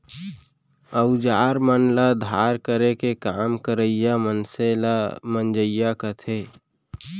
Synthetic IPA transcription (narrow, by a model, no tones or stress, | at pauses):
əʊd͡ʒaːɾmənləd̪ʱaːɾkəɾekekaːmkəɾəijamənsemənd͡ʒəɪjakət̪ʰeː